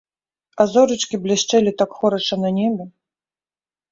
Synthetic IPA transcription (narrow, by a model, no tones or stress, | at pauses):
ɐzɔɾɨt͡ʂkʲiblʲɛɕt͡ʂɛlʲit̪akxɔɾɐʂɐnɐnʲɛbʲɛ